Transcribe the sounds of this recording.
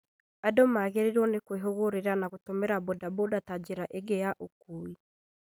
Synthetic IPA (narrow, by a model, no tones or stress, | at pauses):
adomaɣeɾeɾɔnekweɦoɣoɾeɾanaɣotomeɾabodabodatad͡ʒeɾaʔeɡejaʔokui